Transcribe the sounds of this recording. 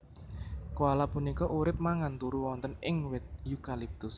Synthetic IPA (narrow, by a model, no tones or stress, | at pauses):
koalapunikɔʔuɾɪp̚maŋant̪uɾuwɔnt̪ənɪŋwɪt̪̚jukalip̚t̪ʊs